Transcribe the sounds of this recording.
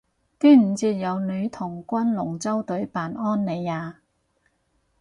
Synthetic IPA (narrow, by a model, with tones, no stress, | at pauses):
t̪iː˥m̩˨˩t͡siː˧t̚jɐ˨˧wnɵ˨˧ɥt̪ʰʊ˨˩ŋkʷɐ˥nlʊ˨˩ŋt͡sɐ˥wt̪ɵ˨˥ɥpaː˨nɔː˥nːe˨˧jaː˨˧